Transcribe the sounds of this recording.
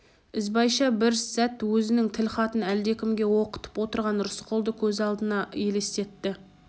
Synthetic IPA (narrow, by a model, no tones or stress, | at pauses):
ɪzbɑjʃɑbɪɾsæt̪wɵzɪnɪŋt̪ʰɪlχɑt̪ənæld̪e̞kʲɪmɡʲe̞wo̞qə̥t̪ə̥pwo̞t̪əɾʁɑnɾʊsqʰolˠd̪əkʲʰɵzɑlˠd̪ənɑje̞lest̪e̞t̪ːɪ